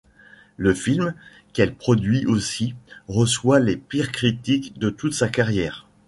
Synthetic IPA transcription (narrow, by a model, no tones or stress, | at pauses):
ləfilm | kɛlpχɔd̪ɥiʔosiʁəswalepiʁkχit̪ikd̪ət̪ut̪sakaʁjɛːʁ